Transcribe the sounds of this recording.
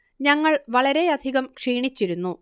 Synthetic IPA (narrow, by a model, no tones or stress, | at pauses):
ɲɐŋːɐɭʋɐɭɐɾe̞ɐd̪ʱiɣɐmkʂiːɳit͡ɕːiɾunːu